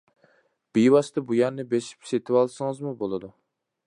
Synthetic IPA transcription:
b̥ijwɑst̪ɨbujɑnnɨbeʃi̥pset̪ʰɪwɑlˠsɨŋɨzmubolˠɨd̪u

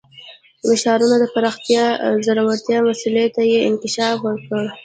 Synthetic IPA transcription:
mɪʃɑɾunad̪əpaɾɑxt̪jɑzaɾawaɾt̪jɑmasulet̪ajeɪnkɪʃɑfwəɾkəɽ

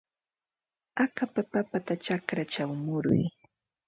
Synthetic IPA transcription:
akapapapat̪at͡ʃakɾat͡ʃawmʊɾʊ̰j

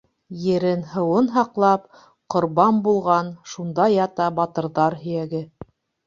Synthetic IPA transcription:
jɘ̆ɾɘnɦɤ̆wɤnɦɑqlˠɑp | qŏɾβɑmbulˠʁɑnʃund̪ɑjɑt̪ɑbɑt̪ɤ̆ɾðɑɾɦɵ̆jæɡɘ

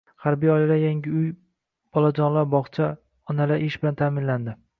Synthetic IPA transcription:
haɾbijɒjlad̪ajaŋʲɪʊj | b̥ɒlˠad͡ʒɒnlaɾbɒχt͡ʃʰa | ɒnalaʔɪʃbɪlant̪ʰamɪnland̪ɪ

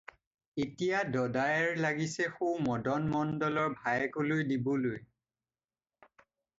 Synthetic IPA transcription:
etijadɔdajɛɹlaɡisɛxumɔdɔnmɔndɔlɔɹbʱajɛkolojdibɔloj

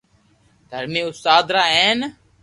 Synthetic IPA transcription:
d̪̥ʱəɾmẽːʊst̪aːd̪ɾaːeːn

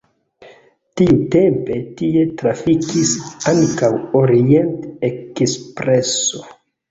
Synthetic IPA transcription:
tiutempe̞tie̞tɾafikʰisaŋkawo̞ɾie̞ntekspɾe̞so̞

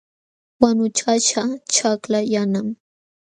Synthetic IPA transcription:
wanʊt͡ʃaʃat͡ʃʰaklajanam

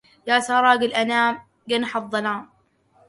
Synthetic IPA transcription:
jaːsɑːɾˤɑːɡɪlʔanaːm | ɡɪnħɑðˤːɑlaːm

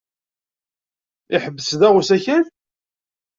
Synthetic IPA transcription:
ɪħəbːəsðæʁusæçæn

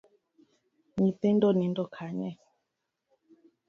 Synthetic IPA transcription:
ɲĩt̪ẽndɔnĩndɔkʰaɲɛ

